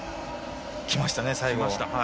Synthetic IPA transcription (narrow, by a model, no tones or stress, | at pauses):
kʲimaɕi̥t̪anesaiɡɡoaɕt̪a